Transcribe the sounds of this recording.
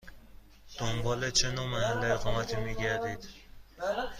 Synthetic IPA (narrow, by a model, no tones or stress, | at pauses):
d̪̥ombɒːlet͡ʃʰenomæhælːeeɣɒːmæt̪ʰiːmiːɟæɾd̪iːd̪̥